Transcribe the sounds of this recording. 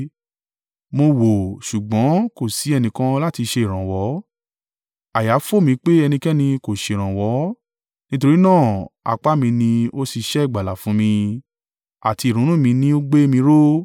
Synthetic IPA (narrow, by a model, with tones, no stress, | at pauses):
mo˧wo˨ʃu˨ɡ͡bɔ̃˨˦ko˦˨si˨˦ɛ˧nĩ˧kã˦la˦ti˧ʃe˧i˨ɾ̃ã˨wɔ˨˦ | a˨ja˨˦fo˦˨mĩ˧k͡pe˦ɛ˧nĩ˧kɛ˦nĩ˧ko˨ʃe˧˨ɾ̃ã˨wɔ˨˦ | nĩ˦to˧ɾi˦nãː˦˨a̰˨k͡pa˦mĩ˧nĩ˧o˦si˧ʃɛ˦i˦˨ɡ͡ba˨la˨fũ˨˦mĩ˧ | a˨ti˧i˨ɾ̃ũ˨˦ũ˦˨mĩ˧nĩ˦o˦ɡ͡be˦mĩ˧ɾo˦